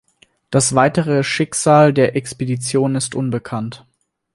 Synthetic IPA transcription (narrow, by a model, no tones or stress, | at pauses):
d̥asv̥aɪtəʁ̞əʃɪkz̥aːldeːɐʔɛkspedit͡sjoːnɪstʔʊnbəkʰant